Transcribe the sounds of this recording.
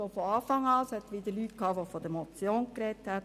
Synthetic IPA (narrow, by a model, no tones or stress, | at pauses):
ofɔɑːfɑŋɑːshɛt̪ʋɪd̪əɾlytkʰɑːʋofɔd̥əmɔt͡sjoːnkɾɛt̪hæt